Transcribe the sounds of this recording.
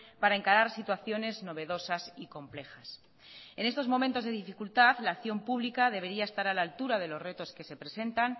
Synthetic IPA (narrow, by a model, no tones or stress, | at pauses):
paɾaeŋkaɾaɾsit̪waθjo̞ne̞zno̞β̞e̞ðo̞sasiko̞mple̞xas | e̞ne̞st̪o̞zmo̞mẽnt̪o̞zðe̞ðifikult̪aðlaːkθjo̞mpuβlikað̞e̞β̞e̞ɾiae̞st̪aɾalalt̪uɾaðe̞lo̞zre̞t̪o̞ske̞se̞pɾe̞se̞nt̪an